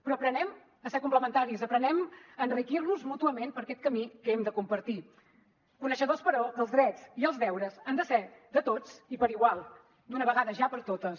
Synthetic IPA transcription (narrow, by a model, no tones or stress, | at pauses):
pɾɔəpɾənɛm | əseɾkumpləmənt̪aɾizəpɾənɛməːnrikiɾnuzmut̪uəmenpəɾkɛt̪̚kəmikəɛmd̪əkumpəɾt̪i | kunəʃəðospəɾɔəlˠzðɾɛt͡siəlˠzðɛwɾəzand̪əsɛd̪ət̪ot͡sipəɾiɣwalˠ | d̪unəβəɣaðəʒapəɾt̪ot̪ə